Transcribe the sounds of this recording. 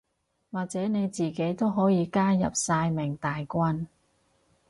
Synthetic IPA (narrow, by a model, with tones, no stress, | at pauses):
waː˨k̚t͡sɛː˨˥ne˨˧jt͡siː˨˩ke˨˥jt̪o˥wɦɔː˨˥jiː˨˧kaː˥jɐ̰˨p̚saː˧jmɪ˨˩ŋt̪aː˨jkʷɐ˧n